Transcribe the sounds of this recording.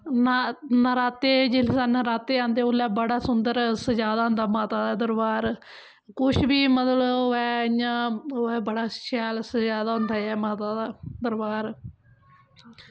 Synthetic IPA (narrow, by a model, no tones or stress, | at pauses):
nanaɾaːt̪eːd͡ʒɪlsanəɾaːt̪eːãːnd̪eːʊlːɛːbəɽaːsʊnd̪əɾsəd͡ʒaːd̪aːɦʊ̃nd̪aːmaːt̪aːd̪aːd̪əɾbaːɾ | kʊʃbiːmət̪ləɛːjãːoɛːbəɽaːʃɛːlsəd͡ʒaːd̪aːɦʊ̃nd̪aːɛːmaːt̪aːd̪aːd̪əɾbaːɾ